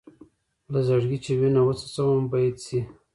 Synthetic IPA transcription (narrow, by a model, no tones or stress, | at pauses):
lazaɽɡit͡ʃewinawət͡sḁt͡sawambajt̪si